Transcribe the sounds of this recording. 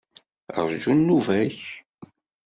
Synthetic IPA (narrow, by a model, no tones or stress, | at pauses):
ə̰ɾˤʒunːuvæç